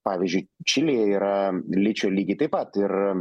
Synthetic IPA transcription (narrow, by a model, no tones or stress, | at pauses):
pɑːʋʲiːzʲd͡ʒʲʊɪt͡ʃʲɪlʲeːjɛiːɾɐlʲɪt͡ʃʲoːlʲiːɡʲɪt̪ɐɪpɐt̪ɪr